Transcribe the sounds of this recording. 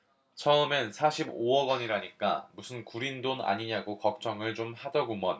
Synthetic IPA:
t͡ɕʰʌɯmensʰaɕʰiboʌɡʌɲiɾaɲik͈a̰musʰɯnkuɾindona̰ɲiɲaɡokʌk̚t͡ɕ͈ʌŋɯɭt͡ɕomhadʌɡomʌn

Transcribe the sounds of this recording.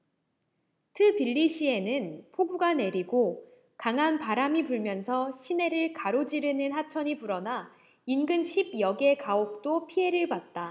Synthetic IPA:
tʰɯpiɭːiɕʰie̞nɯnpʰoɡuɡane̞ɾiɡo | kaŋɦanpaɾamipuɭmjʌnsʰʌɕʰine̞ɾɯɭkaɾod͡ʑiɾɯnɯnɦat͡ɕʰʌɲipuɾʌna | inɡɯnɕʰib̚jʌɡe̞kaok̚t͈opʰiɦe̞ɾɯɭpat̚t͈a

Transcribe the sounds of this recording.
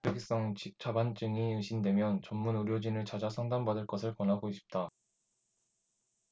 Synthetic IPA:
eɡis͈ʌŋt͡ɕik̚t͡ɕ͈abant͡ɕ͈ɯŋiɯŋɕʰindwe̞mjʌnt͡ɕʌmːunuɾjʌd͡ʑinɯɭt͡ɕad͡ʑasʰʌŋdambadɯɭk͈ʌsʰɯɭkwʌnɦaɡoiɕ͈ʰi̥p̚t͈a

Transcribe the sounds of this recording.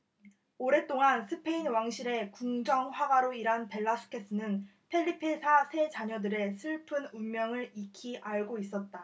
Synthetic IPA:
oɾe̞t͈oŋansʰɯpʰe̞inwaŋɕʰiɾe̞kuŋd͡ʑʌŋɸwaɡaɾoiɾanpe̞ɭːasʰɯ̥kʰe̞s͈ɯnɯn | pʰeʎːipʰesʰasʰe̞t͡ɕaɲʌdɯɾe̞sʰɯɭpʰɯnunmjʌŋɯɾikʰiʔaɭɡois͈ʌt̚t͈a

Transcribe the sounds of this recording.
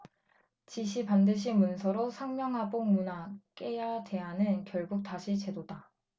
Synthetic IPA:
t͡ɕiɕ̬ʰipandɯɕ̬ʰimunsʰʌɾosʰaŋmjʌŋɦaboŋmunak͈e̞jade̞ɦanɯnkjʌɭɡuk̚taɕʰit͡ɕe̞doda

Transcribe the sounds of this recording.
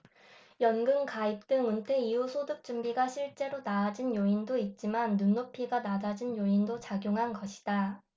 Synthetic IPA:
jʌnɡɯŋkaip̚t͈ɯŋuntʰe̞iusʰodɯk̚t͡ɕ͈umbiɡaɕʰiɭt͡ɕ͈e̞ɾonaːd͡ʑinjoindoit̚t͡ɕ͈imanːunːopʰiɡanad͡ʑad͡ʑinjoindot͡ɕaɡjoŋɦanɡʌɕʰi̥d̥a

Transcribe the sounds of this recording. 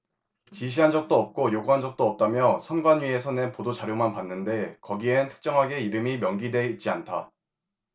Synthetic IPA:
t͡ɕiɕ̬ʰiɦand͡ʑʌk̚t͈oʌp̚k͈ojoɡuɦand͡ʑʌk̚t͈oʌp̚t͈amjʌsʰʌnɡwanɥie̞sʰʌnɯnpodot͡ɕaɾjomanpanːɯnde̞kʌɡieɯntʰɯ̥k̚t͡ɕ͈ʌŋɦaɡe̞iɾɯmimjʌŋɡidwe̞it̚t͡ɕ͈iantʰa̰

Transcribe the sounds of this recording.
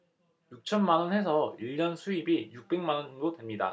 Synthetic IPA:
juk̚t͡ɕʰʌnmanʌnhe̞sʰʌiʎːʌnsʰuibijuk̚p͈e̞ŋmanʌnoŋdotwemɲida̰

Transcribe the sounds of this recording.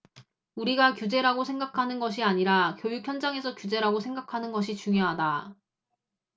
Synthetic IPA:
uɾiɡakjud͡ʑe̞ɾaɡosʰe̞ŋɡakʰanɯnɡʌɕʰiaɲiɾakjojuk̚ʰjʌnd͡ʑaŋe̞sʰʌkjud͡ʑe̞ɾaɡosʰe̞ŋɡakʰanɯnɡʌɕ̬ʰit͡ɕuŋjoɦada

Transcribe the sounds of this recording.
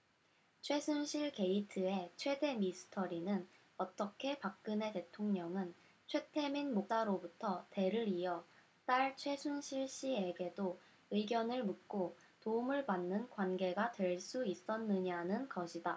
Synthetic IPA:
t͡ɕʰwe̞sʰunɕʰiɭke̞itʰɯe̞t͡ɕʰwe̞de̞misʰɯ̥tʰʌɾinɯn | ʌt͈ʌkʰe̞pak̚k͈ɯne̞te̞tʰoŋɲʌŋɯn | t͡ɕʰwe̞tʰe̞minmok̚s͈aɾobutʰʌte̞ɾɯɾiʌ | t͈aɭt͡ɕʰwe̞sʰunɕʰiɭɕ͈ie̞ɡe̞do | ɯiɡjʌnɯɭmɯk̚k͈o | toumɯɭpanːɯnkwanɡe̞ɡatwe̞ɭs͈uis͈ʌnːɯɲanɯnɡʌɕʰida

